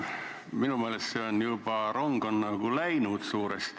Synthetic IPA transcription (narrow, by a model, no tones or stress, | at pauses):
minummielest̪seonjiupɑroŋkonːɑkuleinuːt̪suːrḛst̪